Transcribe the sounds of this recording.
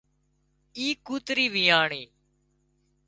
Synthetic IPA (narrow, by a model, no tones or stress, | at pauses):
iːkuːt̪ɾiːʋiːaːɳeː